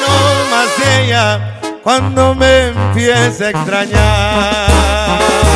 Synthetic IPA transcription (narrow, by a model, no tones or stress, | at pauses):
nomazeɲa | kwãnd̪omempiɛ̃sekst̪ɾaɲa